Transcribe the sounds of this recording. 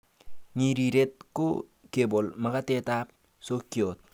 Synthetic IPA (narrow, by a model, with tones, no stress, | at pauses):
ɲi˨ɾi˨ɾe˦t̚kʊ̰˦ke˨bo˨lma˨˦ka˦te˦ta˦p̚ | so˦kjo˨t̚